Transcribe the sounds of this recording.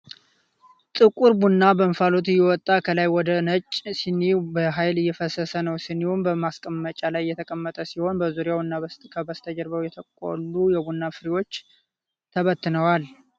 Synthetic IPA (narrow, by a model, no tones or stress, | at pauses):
t̪ʼɨkʼuɾbunːabəmfalo̞t̪ɨjːɛwɔt̪ʼːakʰəlajwɔd̪ənət͡ʃʼːsinːibəɦajlɨjːɛfəsəsənəwsɨnːihumbəmaskʼəmːət͡ʃʼalajjːɛt̪ʰəkʼəmːət̪ʼəsiho̞nbəzuɾjawunːakʰəbəst̪ʰəd͡ʒəɾbəwjɛt̪ʰəkʼo̰lːujɛbunːafɨɾiwo̞t͡ʃː | t̪ʰəβət̪ːɨnəwal